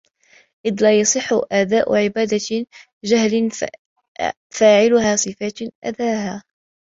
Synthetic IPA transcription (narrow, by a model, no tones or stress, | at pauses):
ʔɪðlaːjɑsˤɨħːʊʔad̪aːʔʕɪbaːd̪a | d͡ʒahlɪ | faːʕɪlʊhaːsˤɨfaːt̪ʔa̰d̪aːhaː